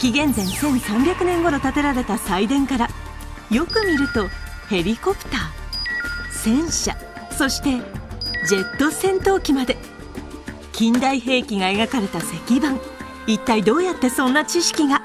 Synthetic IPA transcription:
kʲiɡẽ̞nd͡zẽ̞nsẽ̞ɰ̃sãmbʲjakɯ̟nẽŋɡo̞ɾo̞t̪at̪e̞ɾaɾe̞t̪asaid̪ẽ̞ŋkaɾa | jo̞kɯ̟mʲiɾɯ̟t̪o̞ | he̞ɾʲiko̞pɯ̟̥t̪aː | sẽ̞ɰ̃ɕa̰so̞ɕi̥t̪e̞d͡ʑe̞t̪ːo̞sẽ̞nt̪o̞ːkʲimad̪e̞ | kʲĩnd̪aihe̞ːkʲiŋae̞ɡakaɾe̞t̪ase̞kʲibãŋ | it̪ːaid̪o̞ːjat̪ːe̞sõ̞nːat͡ɕiɕi̥kʲiɡa

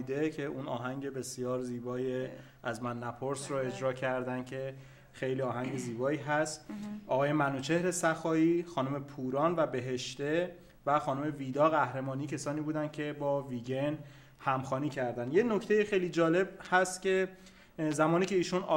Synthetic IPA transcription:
id̪e̞cʰe̞uːnɒ̰ːɦæŋɟe̞be̞sijɒːɾziːbɒːje | æzmænːæpʰoɾsɾɔe̞d͡ʒɾɒːcʰæɾd̪ænd̪̥cʰe̞ | xe̞jliːɒːɦæŋɟe̞ziːbɒːiːɦæst̪ɒːɣɒːjemænuːt͡ʃʰe̞hɾe̞sæxɒːiːxɒːnume̞pʰuːɾɒːnvæbe̞ɦe̞ʃt̪e̞ | væxɒːnume̞viːd̪ɒːɣæhɾe̞mɒːniːcʰesɒːniːbuːd̪æn̥cʰe̞bɒːviɟen | hæmxɒːniːcʰæɾd̪ænd̪jeno̞kcʰt̪e̞jexejliːd͡ʒɒːle̞bhæst̪kcʲʰe̞ | zæmɒːniːcʰe̞iːʃunɒ

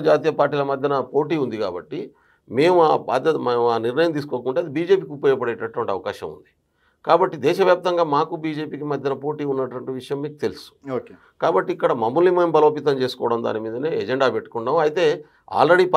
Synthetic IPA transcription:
d͡ʒaːt̪iːjɐpaːɾʈːiːlɐmɐd̪ʱjɐnɐpo̞ːʈiːund̪ika̰ːbɐʈːi | me̞ːmuaba̰ːd̪ʱjɐt̪meuaːniɾnɐjɐmt̪iːs̬u̥koːkuɳʈeːɐd̪ibiːd͡ʒe̞ːpiːkupoːjɐpɐɽɛːʈɐʈːuʋɐɳʈiɐʋɐkaːʃɐ̰mṵnd̪i̥ | kaːbɐʈːid̪ɛːʃɐʋjaːp̚t̪ɐŋɡaːmaːkubiːd͡ʒe̞ːpiːkimɐd̪ʱjɐnɐpo̞ːʈiːunːɐʈuʋɐɳʈiʋiʂɐjɐmːiːkut̪e̞lusu̥o | kaːbɐʈːiːkːɐɽɐmɐmːulːimɐːmbɐlo̞ːpit̪ɐmt͡ʃe̞ːsu̥kɔːʋɐɽɐmd̪a̰ːnimiːd̪ɐneːɛd͡ʒeɳɖaːpeʈːu̥kuɳɖaːmɐjit̪e̞ː | a̰ːlɾeɽip

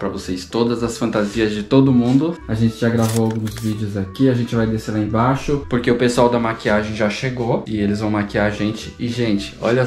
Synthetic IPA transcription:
pɾɐvosest̪od̪ɐzɐsfɐ̃nt̪aziɐzd͡ʒɪt̪od̪ʊmũnd̪ʊaʒẽnt͡ʃɪʒaɡɾavoawɡũzvid͡ʒɪʊzakkiɐʒẽnt͡ʃɪvajd̪eselaẽbaʃʊpoɾkeʊpesuawd̪ɐmakiaʒẽj̃ʒaʃeɡoɪelɪzvɐ̃w̃makiaɾaʒẽnt͡ʃɪɪʒẽnt͡ʃɪ̥ɔ̰ʎɐ

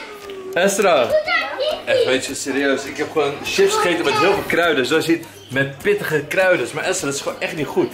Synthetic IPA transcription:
ɛstra | ɛxʋetɔsɪːɾiøːsɪkɦɛpχonʃɪfsχejtəmɛtɦɪəlˠfolˠkrœɥdəsdosit | mɛt̚pɪtəχəkrœɥdəsmaɹʔɛstraːdɔtɪ̥sχoːnɛχtnitχut

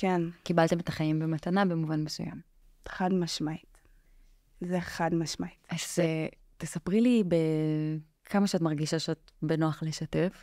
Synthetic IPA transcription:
kenkibalt̪eme̞taχajimbemat̪anabe̞muvanmesṵja̰m | χad̪maʃmait | zeχad̪maʃmaitae | t̪esapʁilibe | kʰamaʃeatmaʁɡiʃaʃeat̚ | benoaχleʃatef

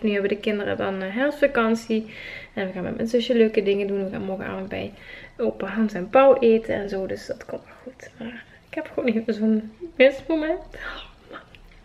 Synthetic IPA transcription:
nyɦɛʋədəkɪndərə̰dɑnɦɛlsfakɑnsiɛnʋəɣaːnmɛ̰tmɛ̰nzøʃəløːkədɪŋədunʋəɣa̰ːnmɔrɣənʔa̰ːvəntbɛ̰joːpəɦaːnsɛnpɑwʔeːtənɛnzoːdøsdɑtkɔntalxutmaːr | ɪkhɛpχʋoːnevəzoːnmɪsmomɛntman

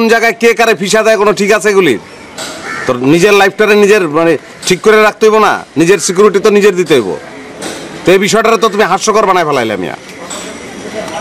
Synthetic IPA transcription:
nd͡ʑaɡaekekaɾepʰiʃ̬ad̪aekonoʈʰikat͡ɕʰeɡulḭ | t̪onid͡ʑeɾlajpʰʈaɾenid͡ʑeɾmane | ʈʰikːoɾeɾak̚ʰt̪eɦojbona̰nid͡ʑeɾsik̬juɾiʈit̪onid͡ʑeɾd̪it̪eɦojbo̰ | t̪oebiʃ̬ɔeʈaɾet̪ot̪umiɦaʃːokoɾbanajpʰɛlajleamḭa̰

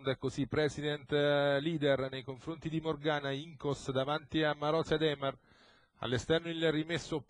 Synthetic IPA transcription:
nd̪ɛkːosipːɾɛsid̪ɛnt̪liːd̪ɛrnejkoɱfɾont̪id̪imorɡaːnaiŋkosd̪avant̪iamːaɾɔsjad̪ɛːmɛr | a̰lːest̪ɛrnoilrimesːop

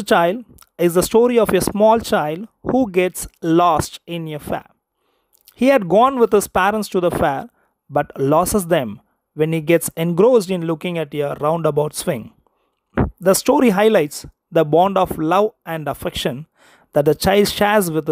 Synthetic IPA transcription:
t͡ʃaɪlɖ | ɪzd̪əsʈoːɾiɔfesmɔːlt͡ʃaɪlɖhuːɡɛʈslɔːsʈɪ̃njəfɛ̰ | hiːhæɖ̚ɡɔ̃ːnʋɪd̪hɪz̥pæːɾə̃nʈsʈud̪əfɛːɾ | bʌʈlɔsəzd̪ɛ̃m | ʋɛ̃nhiːɡɛʈsɛ̃nɡɾoːsɖɪ̃nlʊkɪ̃ŋæʈjəɾãʊ̃ɳɖəbaʊʈsʋɪ̃ŋ | d̪əsʈoːɾiɦaɪlaɪʈs | d̪əbɔ̃ːɳɖɔflʌʋæ̃ɳɖəfɛkʃə̃n | d̪æʈ̚d̪ət͡ʃaɪlɖʃæzʋɪd̪̚ɪ

